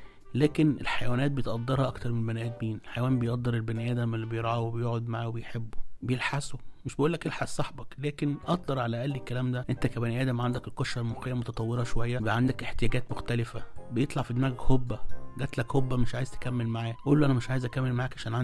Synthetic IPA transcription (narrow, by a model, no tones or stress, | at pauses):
læːkenḛlħajæwæːnæːt̪̚bejet̪ʔɑd̪ˤːeɾhɑʔɑkt̪ɑɾˤmenbænʔæːd̪miːnelħajwæːmbejeʔd̪ːɑɾˤelbænʔæːd̪æmlːibejeɾˤʕɑwebejoːʕod̪maʕaːwebejħebːobejelħasomeʃbeʔuːlːækʔelħassˤɑħbɑklæːkenʔɑt̪ˤd̪ˤɑɾˤʕalæʔælːikːælæːmd̪æʔent̪ækæbæniʔæːd̪æmʕand̪ækelqoʃælmoxejːæmot̪ɑt̪ˤɑwːeɾˤɑʃowæjːæbeʕand̪ækʔeħt̪ejæːɡæːt̪moxt̪ælefæbejet̪ˤlɑʕfid̪mæːɡækhobːæɡæt̪lækhobːæmeʃʕaːjezt̪e̥kæmːelmaʕaːʔuːlːoʔænæmeʃʕaːjezʔækæmːelmaʕaːkʕaʃæːnʕa